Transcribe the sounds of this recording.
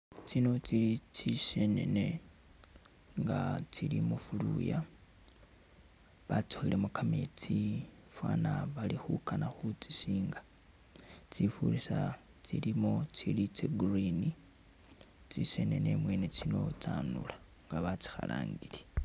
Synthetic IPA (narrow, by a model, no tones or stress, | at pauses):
t͡sino̞t͡siit͡siʃe̞ne̞̰ne | ŋɡat͡silimufuluja | βat͡soxilemukamet͡si | fwaːnaβalixukanaxut͡si̥siːŋɡa | t͡sifulisa | t͡silimot͡silit͡seɡrini | t͡sise̞ne̞ne̞mwe̞ːne̞t͡sino̞t͡saːnula | ŋɡaβat͡si̥xala̰ːŋɡile